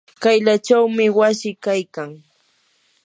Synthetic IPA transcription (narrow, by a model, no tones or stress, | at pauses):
kajʎat͡ʃawmɪwasɪkajkaŋ